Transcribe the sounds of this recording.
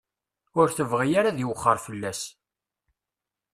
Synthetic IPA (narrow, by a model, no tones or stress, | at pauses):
ʊɾθəvʁijaɾaðjəwχːəɾˤfəlːæs